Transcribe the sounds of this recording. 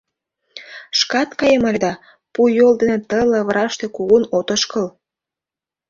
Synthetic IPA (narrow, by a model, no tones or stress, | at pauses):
ʃkɑt̪kɑjəməlʲd̪ɑ | pujold̪enet̪əlɤ̆βɾɑʃt̪e̽kuɣunot̪ə̆ʃkə̆l